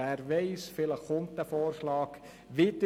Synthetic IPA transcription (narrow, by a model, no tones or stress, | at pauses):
æːɾʋɛɪsfɪləχʊntdəfoːɾʃlɑːk | ʋit̪ə